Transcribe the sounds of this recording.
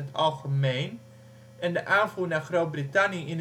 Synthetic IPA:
ətɑlˠχəmejn | ɛndəʔaːnvuːnaːɹχrowt̚britɑniɪn

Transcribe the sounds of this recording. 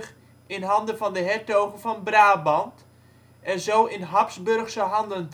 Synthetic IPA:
ɪnɦɑndəfɑndəɦɛtowχənfɔnbraːbɑnt | ɛnzowɪnɦɑpsbɵrχsəɦɑndənt

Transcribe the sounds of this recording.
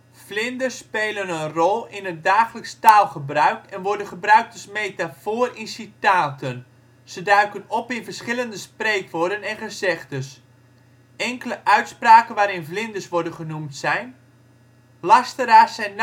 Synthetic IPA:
vlɪndərsːpeːlənənrɔlˠɪnət̚daːχələkstaːlˠχəbrœɥkɛnʋɔɹdənχəbrœɥk̚təsmejtafoərinsitaːtən | sədœɥkənɔpɪnvərsχɪləndəsprejkʋodənɛnχəzɛχtəs | ɛŋkələʔœɥtspraːkənʋaːɾɪnvlɪndəsʋɔɹdənχənumtsɛjn | lastəɾaːsɛjn

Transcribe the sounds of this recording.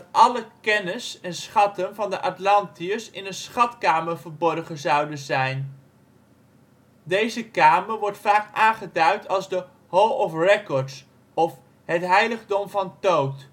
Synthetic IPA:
dɑtʔɑləkɛnəsɛnsχɑtənvɑndəʔɑtlɑntiəɹsɪnənsχɑtkaːməɹvəɹbɔrχəzɑwdənzɛjn | dejzəkaːməɹʋɔɹtfaːkaːnχədœɥtʰɑlˠzdə | ɦowɔfrɛkɔɹts | ɔf | ɦətɦɛjləχdɔmvɑntowt

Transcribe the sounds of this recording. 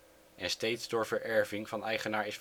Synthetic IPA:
ʔɛnstejtzdʊːɹvəɹʔɛɹvɪŋv̥ɑnɛjχənaːɹɪsf

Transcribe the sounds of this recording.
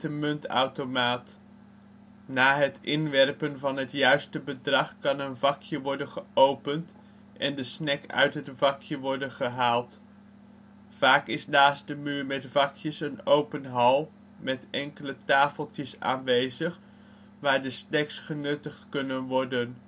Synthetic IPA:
təmɵnta̰wtomaːt | naːɦətʔɪnʋɛrpənvɑnɦətjœɥstəbədrɑχkɑnənvɑkʰjəʋɔɹdənχəowpənt | ʔɛndəsnɛkœ̰ɥtɦətv̥ɑkjəʋɔɹdənχəɦaːlˠt | v̥aːkɪsnaːs̚dəmyːɹmɛtv̥ɑkjəsənowpənɦɑlˠ | mɛtɛŋkələtaːfəlˠtəsa̰ːnʋejzəχ | ʋaːɹdəsnɛksχənɵtəχtkɵnənʋɔɹdən

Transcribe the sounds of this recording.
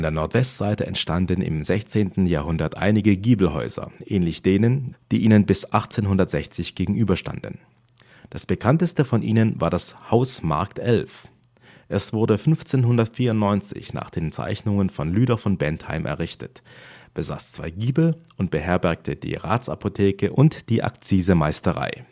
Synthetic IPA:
andeːɐnɔɐtv̥ɛstz̥aɪtəɛ̰ntʃtandən̩ɪ̰mzɛçt͡seːntn̩jaːɐɦʊndɐtʔa̰ɪnɪɡəɡiːbl̩ɦɔ̰ʏzɐ̰ʔɛːnlɪçd̥eːnənd̥iːʔiːnənbɪsʔaχt͡seːnɦʊndɐtz̥ɛçt͡sɪçɡ̥eːɡŋ̩ʔyːbɐʃta̰ndn̩ | d̥asb̥əkʰantəstəfɔnʔiːnənvaːɐɾashaʊsma̰ɐktʔɛlf | ʔɛsv̥ʊɐdəfʏnft͡seːnɦʊndɐtfiːɐʊntnɔʏnt͡sɪ̰çna̰ːχd̥eːnt͡sa̰ɪçnʊŋənfɔnlyːɾɐfɔnbɛntha̰ɪmʔɛ̰ɐʁɪçtʰətb̥əza̰ːst͡sv̥aɪɡiːbl̩ʔʊnt̚b̥əhɛɐbɛɐk̚tʰəd̥ḭːʁa̰ːt͡sapʰotʰeːkəʔʊntd̥iːʔa̰kt͡siːzəmaɪstəʁa̰ɪ

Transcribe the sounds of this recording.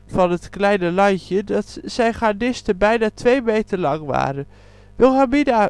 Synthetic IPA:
fɑnətklɛjnəlɑjcədɑtsɛjχadɪstəbɛjnaːtʋejmejtəlɑŋʋa̰ːɾən | ʋɪlˠɦamida

